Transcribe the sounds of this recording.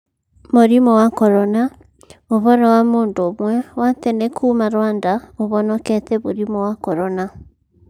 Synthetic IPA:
moɾimɔwakɔɾɔna | oβɔɾɔwamoːndoːmwɛwatɛnekʰuːmaɾwaːndaoβɔnɔkɛtɛβoɾimɔwakɔɾɔna

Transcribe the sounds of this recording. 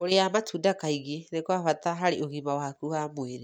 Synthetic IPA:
oɾeamatuːdakaiɣenekwaβataɦaɾeoɣimawaakuhamoeɾe

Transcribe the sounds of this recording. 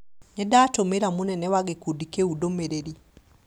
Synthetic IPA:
ɲɛdatomeɾamonɛnɛwaɡekudikeudomeɾeɾi

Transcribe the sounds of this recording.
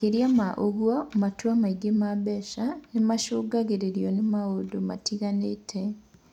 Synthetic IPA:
eɾiamaʔoɣwɔmatwamaiɡemabɛʃanemaʃoːɡaɣeɾeɾjɔnemaodoma̰tiɣanetʰɛ

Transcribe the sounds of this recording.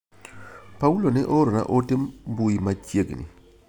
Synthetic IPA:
paulonɛʔoɾona̰ʔotɪmbuimat͡ʃjeɡnḭ

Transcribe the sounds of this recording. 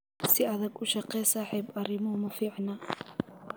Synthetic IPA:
sɪɐðɐɡʊʃɑqɛjsaːħiːbʔɐɾɪmɔmɐfiːʕnɐ

